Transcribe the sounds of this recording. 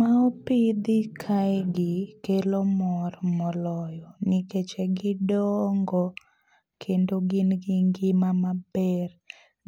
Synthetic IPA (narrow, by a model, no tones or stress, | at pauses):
maopid̪ɪkʰaɛɡɪkelomɔrmɔlɔjɔnɪket͡ʃɛɡɪdɔŋɡɔ | kʰendoɡɪnɡɪŋɡɪmamab̥ɛr